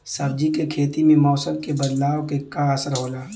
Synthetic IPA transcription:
sɐbd͡ʒikekʰeːt̪imẽmɔːsəmkebɐd̪laːʋkekaəsəɾɦoːlaː

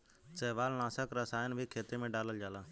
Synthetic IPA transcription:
t͡ʃeːʋaːlnãːsəkɾəsaːjənbʱiːkʰeːt̪imẽːɖaːləld͡ʒaːlaː

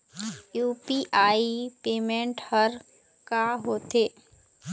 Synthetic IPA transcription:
juːpiʔaːipeːmẽɳʈhəɾ | kaːɦoːt̪eː

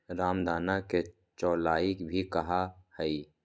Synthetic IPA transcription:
ɾaːmd̪ʱaːnake | t͡ʃɔːlaːikbʱikɐɦahɛi

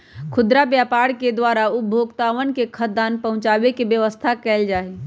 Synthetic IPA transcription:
kʰʊd̪ɾabjapaɽked̪ʋaɾaubʱoɡt̪aʋənkekʰəd̪anpəɦʊ̃t͡ʃabekebjəʋəst̪ʰakɛɪld͡ʒaːe

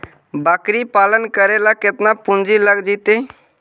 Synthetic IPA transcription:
baːkɾipaːlənkəɾelakɪt̪napʊnd͡ʒiləɡd͡ʒit̪eː

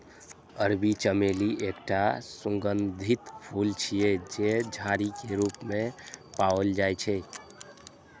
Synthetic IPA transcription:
əɾbit͡ʃəmeliʔekʈasũŋɡənd̪ʱit̪pʰult͡ʃʰijed͡ʒed͡ʒʱaɾikeɾupmẽpawəld͡ʒajt͡ʃʰɛ

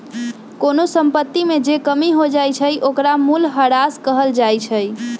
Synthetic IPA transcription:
konosəmpət̪ːimed͡ʒekəmiɦod͡ʒajt͡ʃʰəjʔokɾamulɦəɾaskəɦəld͡ʒajt͡ʃʰəj

